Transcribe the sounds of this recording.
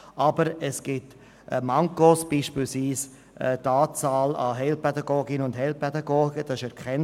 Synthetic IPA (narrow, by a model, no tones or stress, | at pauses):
ʔɑbəɾɛsɡ̥ɪt | ʔmɑŋkosb̥iːʃpiːlsviːs | ʔɛtɑːt͡saːlɑ̰ɦɛlpɛdɑɡoːɡɪnəʊndɦɛlpɛdɑɡoːɡəd̥ɑɪʃɛɾkχɛn